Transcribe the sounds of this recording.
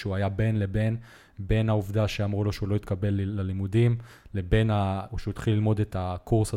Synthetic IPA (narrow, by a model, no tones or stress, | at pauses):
ʃuajabe̞nle̞be̞n | be̞nauvdaʃeamʁulo̞ʃeulo̞it̪kabe̞lːalimudim | le̞be̞naoʃeut̪χilːilmo̞detakʰuʁsa